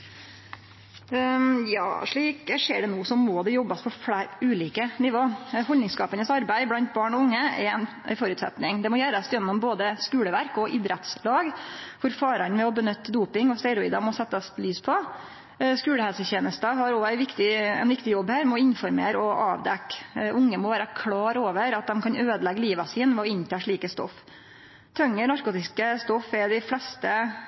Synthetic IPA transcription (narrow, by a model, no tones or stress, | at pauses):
jɑ̰ːʂɭiːkəʂeːɖɛnuːsɔmːoːd̪ɛjɔbːɑspʰɔfɽæːɾʉːliːkənɪʋoːhɔlnɪŋskɑːpənəsɑɾbæɪblɑnt̪̚bɑːɳɔʊŋːəɛ̰ɛn | æ̰ɪfɔɾʉt̪sɛ̰t̪nɪŋd̪ɛmɔjæɾɑst̪jɛnːɔmboːd̪əskʉːləʋæɾkɔʔɪd̪ɾɛt̪slɑːɡkʰʊɾfɑːɾɑnmɛɔbənʏt̪ːd̪uːpɪŋɔst̪ɛɾɔiːd̪ɑmɔsɛt̪ːəslyːspʰɔ | skʉːləhɛlsəçeːnəst̪əɦɑɾɔæɪʋɪkt̪ɪɛ̰nʋɪkt̪ɪjɔbːhæːɾmɔɪnfɔɾmḛːɾɔʔɑ̰ːʋd̪ɛkːʔʊŋːəmɔʋæːɾəkʰlɑːɾoːʋəɾɑt̪̚d̪ɛmkʰɑnøːd̪əlɛɡəliːʋɑsiːnʋɛɔɪnt̪ʰɑːʂɭiːkəst̪ɔ̰f | t̪ʰœŋːənɑɾkuːt̪ɪskəst̪ɔfɛd̪ɪflɛst̪ə